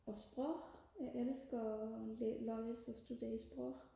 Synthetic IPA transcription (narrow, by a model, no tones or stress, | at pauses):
ɒsb̥ʁɔ | jɑʔelsɡ̥ɐ | lɒɪəsɒsd̥ud̥e̝̰ɐisb̥ʁɔ